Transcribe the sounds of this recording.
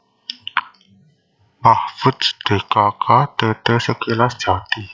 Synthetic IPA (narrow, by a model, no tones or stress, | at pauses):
bahfut̪sd̪̥e̤kakʰat̪ət̪əsəkelasd͡ʒat̪i